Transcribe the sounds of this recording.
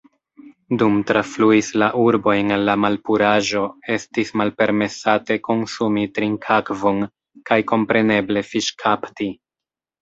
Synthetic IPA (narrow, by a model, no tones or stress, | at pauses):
dumtɾafluislaʔuɾbo̞jnalːamalpuɾaʒo̞e̞stismalpe̞ɾme̞sate̞ko̞nsumitɾiŋkʰakvo̞n | kajko̞mpɾe̞ne̞ble̞fiʃkʰapti